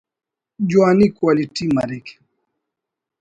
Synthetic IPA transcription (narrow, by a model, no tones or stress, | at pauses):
d͡ʒwanikwalitimaɾɛk